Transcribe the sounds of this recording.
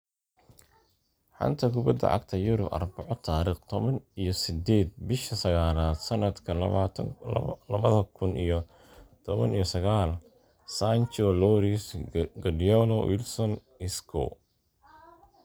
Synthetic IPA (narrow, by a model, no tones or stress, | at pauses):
ħɑ̰nt̪ʰɐkʰʊbɐd̪ɐ̰ʕɑ̰ɡ̚t̪ʰɐjʊɾʊbɐ̰rbɑʕɔt̪ʰaːɾiːχt̪ʰɔβɐnijɞsɪd̪ɛːd̪̚bɪʃɐsɐɣaːlaːd̪̥sɐnɐd̪kʰɐ | lɐβɐðɐkʰʊnʔḭjɞ | t̪ʰɔβɐ̰nijɞsɐɣaːl | sant͡ʃɔlɔɾisɡɐdiɔnɔwʔɪ̰lsɔn | ɪskʰɔ̰